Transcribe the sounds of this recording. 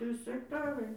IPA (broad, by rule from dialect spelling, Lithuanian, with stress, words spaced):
ˈtʲrʲiːs ɛkˈtɑːrɐɪ